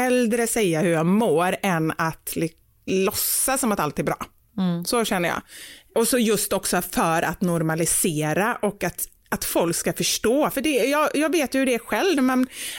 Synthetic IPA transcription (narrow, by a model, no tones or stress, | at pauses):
ɛld̪ɾəsɛjːahɵɾjɑːmoːɾɛnːat̪lɪ | lɔsːasɔmat̪alt̪ɛɾbɾɑ̰ː | sɔɕɛnːəjɑ̰ːʔɔsɔjɵst̪ɔksɔfœɾa̰t̪nɔɾmalɪseːɾaʔɔkːat̪ | at̪fɔlkskafœʂʈoːfœɖɛjɑːjɑːɡveːt̪jɵhɵɾɛːɾɧɛlvmɛn